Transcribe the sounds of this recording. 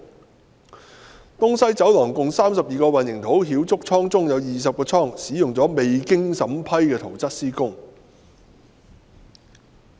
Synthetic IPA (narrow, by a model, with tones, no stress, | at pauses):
t̪ʊ˥ŋsɐ˥jt͡sɐ˨˥wlɔː˨˩ŋkʊ˨ŋsaː˥msɐ˨p̚jiː˨kɔː˧wɐ˨njɪ˨˩ŋt̪ʰo˨˥wɦiː˨˥wt͡sʊ˥k̚t͡sʰɔː˥ŋt͡sʊ˥ŋjɐ˨˧wjiː˨˩s̬ɐ˨p̚kɔː˧t͡sʰɔː˥˩ŋsiː˨˥jʊ˨ŋt͡sɔː˨˥me˨jkɪ˥ŋsɐ˨˥mpʰɐ˥jkɛː˧t̪ʰo˨˩wt͡sɐ˥t̚siː˥kʊ˥ŋ